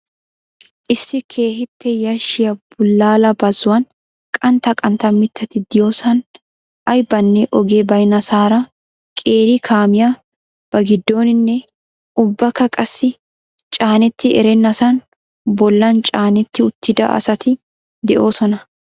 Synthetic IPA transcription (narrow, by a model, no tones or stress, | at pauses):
ʔɪsːɪkʰe̞ːɦɪpːɛjɐʃɪjɐb̥ʊlːaːlɐbɐzʊwɐn | kʼɐnt̪ɐkʼɐnt̪ːɐmɪt̪ʰːɐt̪ɪd̪ɪjo̞ːsɐn | ʔɐjbɐnːɛʔɔɡeːbɐjnɐsaːɾɐ | kʼe̞ːɾɪkʰaːmɪja | b̥ɐɡɪd̪ːo̞ːnɪnːɛ | ʔʊbːɐkːɐkʼɐsːɪ | t͡ʃʼaːnɛt̪ːɪʔɛ̰ɾɛnːɐsɐn | bɔlːɐnt͡ʃʼaːnɛt̪ːɪʊt̪ːɪd̪ɐ̰ʔɐ̰sɐt̪ʰɪ | d̪ɛʔo̞ːsɔnɐ